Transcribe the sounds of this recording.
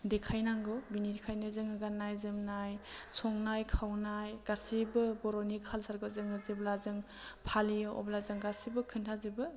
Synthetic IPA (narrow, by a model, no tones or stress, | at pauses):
dekʰajnaŋɡɔbinidekʰajnɯzɯŋɯɡanajzɯmnajsɔŋnajkʰawnajɡ̥asibɯbɔɾɔnikʰalsaɾɡɔzɯŋɯzeblazɯŋ | pʰalijɔʔɔ̰blazɯŋɡasibɯkʰɯntʰazɯbɯ